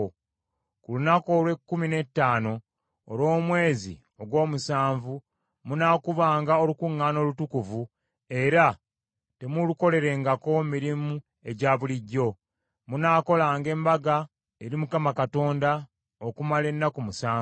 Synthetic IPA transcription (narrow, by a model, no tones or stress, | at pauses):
kulunako̞ːlwe̞kːumine̞tːaːno̞ː | lwo̞ːmwe̞ːzḭ | o̞ɡwo̞ːmusaːɱvu | munaːkuβaːŋɡaolukuŋːaːno̞ːlutukuvu | e̞ɾa | te̞muluko̞le̞ɾe̞ŋɡako̞miɾimu | e̞ɟaːβuliɟːo̞ | munaːko̞laːŋɡe̞ːmbaɡa | eɾimukamakato̞ːnda | okumale̞nːakumusaːv